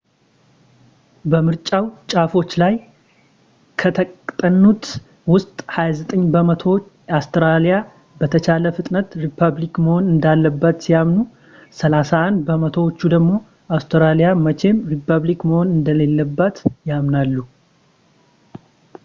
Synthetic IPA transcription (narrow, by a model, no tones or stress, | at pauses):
bəmɨɾt͡ʃʼawt͡ʃʼafo̞t͡ʃːlaj | kʰət̪ʰəkʼt̪ʼənːut̪ | wʊst̪ʼhajazət̪ʼəɲːbəmət̪ʰo̞wot͡ʃː | ast̪ɾalija | bət̪ʰət͡ʃʰaləfɨt̪ʼnət̪ɾipʰaβlikməho̞nɨnd̪alːəbːət̪sijamnu | səlasaand̪bəmət̪ʰo̞wot͡ʃːud̪əɡmo̞ | ast̪ɾalijamət͡ʃʰe̞mɾipʰːəβlikməho̞nɨnd̪əle̞lːəbːət̪jamnalːu